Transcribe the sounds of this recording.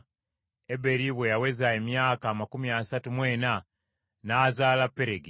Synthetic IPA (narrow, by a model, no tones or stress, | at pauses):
ebe̞ɾiβwejawezaemjaːkaːmakumiasatumweːna | naːzaːlapːe̞ɾeɡi